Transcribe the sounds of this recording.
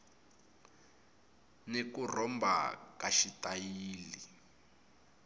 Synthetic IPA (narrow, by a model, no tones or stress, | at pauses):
nekurɔmbʱa̰kaʃitʼajiːli